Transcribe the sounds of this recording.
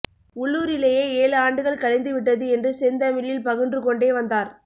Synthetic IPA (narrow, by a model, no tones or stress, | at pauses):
ʊɭːuːɾɪlɐjeːeːlaːɳɖɯɣɐɭkɐɻɐɪnd̪ɯʋɪʈːɐðɯɛndrɯsɛnd̪ɐmɪljɪlpɐɣɯndrɯkɔɳɖeːʋɐnd̪aːɾ